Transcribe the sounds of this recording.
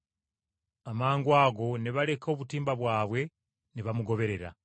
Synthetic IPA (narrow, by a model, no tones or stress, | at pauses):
amaːŋɡwaːɡo̞niβale̞kʰo̞ːβutiːmbaβwaːβwe̞ | niβamuɡo̞βe̞ɾe̞ɾa̰